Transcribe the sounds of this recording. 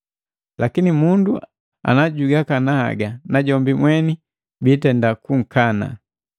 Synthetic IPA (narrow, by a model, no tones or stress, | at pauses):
lʔakinimundu | a̰naɟuɡakanaha̰ɡanaɟɔmbimwɛni | bitɛndakuŋ̩kʰana̰